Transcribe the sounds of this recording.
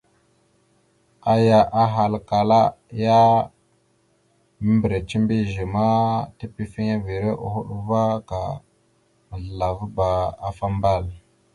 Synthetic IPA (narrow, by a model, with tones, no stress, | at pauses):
a˦ja˨ʔa˦ɦa˨lka˨la˦ja˦ | mə˦mbɾe˨t͡ʃi˦mbi˦ʒi˨ma˦ti˦pi˦fi˦ŋa˦vi˨ɾe˦ʔṵ˨hu˦ɗu˦va˦ka̰˨ | mə˨ɮə˨la˨vu˦ba˨a˨fa˦mba˦˨l